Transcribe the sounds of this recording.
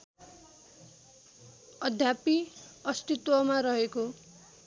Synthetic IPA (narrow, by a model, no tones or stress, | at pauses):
ʌd̪ʱjapiʌst̪it̪wʌmaɾʌɦeko